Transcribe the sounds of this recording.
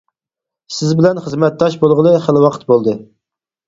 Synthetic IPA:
sɪzbɪlɛnχəzmɛt̪̚d̪ɑʃbolˠʁəlˠɨχælɨwɑqʰət̪̚bolˠd̪ɨ

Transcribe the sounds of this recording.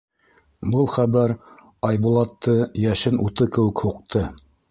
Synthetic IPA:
bɤlˠχæβæɾ | ɑjbulˠɑt̪ʰːɤjæʃɘnut̪ɤkɘ̆wɘ̆khuq̚t̪ʰɤ

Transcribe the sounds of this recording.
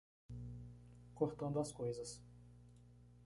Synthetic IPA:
koɾt̪õnd̪ɐskojzɐs

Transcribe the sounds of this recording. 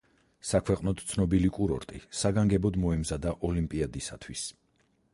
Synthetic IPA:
sakʰwɛqʼnɔt̪ʰt̪sʰnɔbilikʼuɾɔ̰ɾt̪ʼḭsaɡaŋɡɛbɔd̪mɔɛmzad̪aʔɔlimpʼiad̪isa̰t̪ʰwis

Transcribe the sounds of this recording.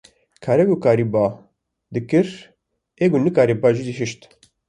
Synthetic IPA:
kʰaːɾɛɡukaːɾiba | d̪ɨkɨɾ | eːɡunɨkaːɾibɑːʒid̪iɦɪʃt̪

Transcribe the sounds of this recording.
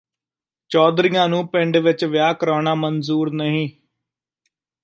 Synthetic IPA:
t͡ʃɔːd̪ɾɪjãːnũːpɪ̃ɳɖʋɪt͡ʃʋɪjaːkəɾaːɳaːmənzuːɾnəɦĩː

